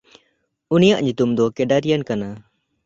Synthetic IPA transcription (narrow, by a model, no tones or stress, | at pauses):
unijaʔɲut̪umd̪ɔkeɖaɾijankana